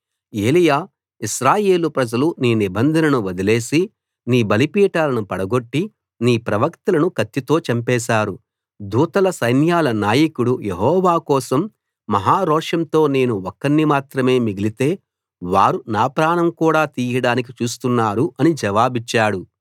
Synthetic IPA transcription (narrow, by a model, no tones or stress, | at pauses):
e̞ːlijaː | iʃɾaːje̞ːlupɾɐd͡ʒɐluniːnibɐnd̪ʱɐnɐnuʋɐd̪ile̞ːsi | niːbɐlipiːʈaːlɐnupɐɽɐɡo̞ʈːi | niːpɾɐʋɐkt̪ɐlɐnukɐt̪ːit̪o̞ːt͡ʃɐmpɛːʃaːɾu | d̪uːt̪ɐlɐsɐjnjaːlɐnaːjɐkuɽujeɦɔːʋaːkɔːsɐmː | ɐɦaːɾɔːʂɐnt̪o̞ːne̞ːnuɔkːɐnːimaːt̪ɾɐme̞ːmiɡilit̪e̞ː | ʋaːɾunaːpɾaːɳɐmkuːɽaːt̪iːjɐɽaːnik̬it͡ʃuːs̬t̪unːaːɾuʔɐnid͡ʒɐʋaːbit͡ʃːaːɽu